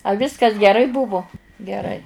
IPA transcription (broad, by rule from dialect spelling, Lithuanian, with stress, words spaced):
ɐ ˈʋʲɪskɐs ɡʲɛˈrɐɪ ˈbʊʋʊ ɡʲɛˈrɐɪ